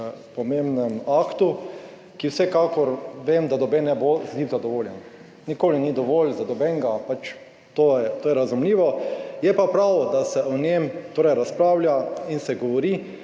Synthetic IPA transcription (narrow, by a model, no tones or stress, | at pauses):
pɔmembnɛmaːkt̪u | kiwsɛkakɔɾʋeːmd̪ad̪ɔbɛnɛbozlizad̪ɔʋoːljɛn | nikoːlinid̪ɔʋolzad̪ɔbɛŋɡapat͡ʃ | t̪ojɛt̪oːjɛɾazumliːʋɔjɛpapɾawd̪asɛʔɔnemt̪oːɾɛjɾaspɾaːwlʲjainsɛɡɔʋɔɾiː